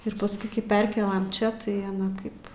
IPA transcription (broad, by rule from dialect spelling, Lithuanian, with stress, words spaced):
ɪr pɐsˈkʊɪ kɐɪ ˈpʲɛrʲkʲeːlˠɐm ˈt͡ʃʲɛ tɐɪ ɐˈnɐ ˈkɐɪp